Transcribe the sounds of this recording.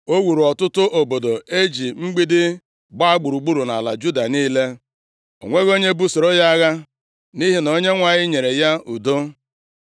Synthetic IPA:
o˦wu˨ɾu˨ɔ˨tʊ˦tʊ˦ʔo˨bo˨do˨e˦d͡ʒi˨ŋ͡m̩˦ɡ͡bi˦dɪ˦ | ɡ͡ba˦a˦ɡ͡bu˨ɾu˨ɡ͡bu˦ɾu˨na̰˨la̰˨d͡ʒu˦da˨niː˦le˦ | o̰˨ŋʷe˦ɣo˦ɲe˦bu˦so˨ɾo˦ja˦a˦ɣa˦ | ni˦ɦi˦no˨ɲe˦ŋʷa˨ɲɪ˦ɲe˨ɾe˨ja˦u˨do˦

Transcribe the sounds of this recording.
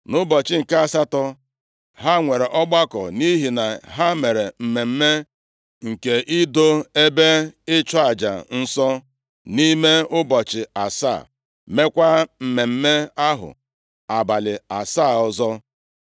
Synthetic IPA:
nʊ˦bɔ˨t͡ʃɪ˦ŋ̩˨ka˦a˨sa˦tɔ˦ | ɦa˦ŋʷe˨ɾe˨ʔɔ˦ɡ͡ba˦kɔ̰˨ni˦ɦi˨na˨ɦa˦me˨ɾe˨m̩˨me˨m̩˦me˦ | ŋ̩˨ke˨ʔi˦do˦e˦be˦ɪ˦t͡ʃɔ˦a˨d͡ʒa̰˨n̩˦sɔ˦ | ni˦me˦ʊ˦bɔ˨t͡ʃɪ˨a˨sa̰ː˦˨ | me˦kʷa˦m̩˨me˨m̩˦me˦a˦ɦʊ̰˨ | a˨ba˨lɪ˨a˨saː˦˨ɔ˨zɔ˦

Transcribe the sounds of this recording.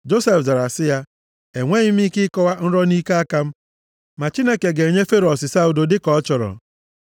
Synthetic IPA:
d͡ʒo˦se˨fda˨ɾa˨sɪ˦ja˦ | e˨ŋʷe˦ɲɪ˦m̩˦ɪ˦kɪ˦kɔ˦wa˦n̩˦ɾɔ˦ni˦ke˦a˦ka˦m̩˦ | ma˨t͡ʃi˦ne˦ke˨ɡe˨ɲe˦fe˦ɾɔ˨sɪ˨sa˦u˨do˨dɪ˦kɔ˨ɔ˦t͡ʃɔ˨ɾɔ̰˨

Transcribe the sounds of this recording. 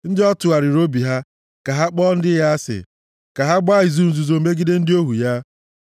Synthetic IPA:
n̩˦dɪ˦ɔ˦tʊ˨a˨ɾɪ˨ɾo˦bi˨ɦa˦ | ka˨ɦa˦k͡pɔ˦n̩˦dɪ˦ja˦sɪ̰˨ | ka˨ɦa˦ɡ͡ba˦ɪ˨zu˨ɾu˨zu˨zo˨m̩˦me˦ɡɪ˦de˦n̩˦dɪ˦o˦ɦu˨ja˦

